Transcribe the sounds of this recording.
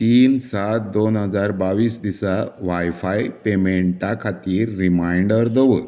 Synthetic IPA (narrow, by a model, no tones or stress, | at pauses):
t̪iːnsat̪̚d̪onɦəd͡zaɾbaʋiːsd̪isaʋajfajpemeɳʈakʰat̪iːɾːimajɳɖəɾd̪əʋət̪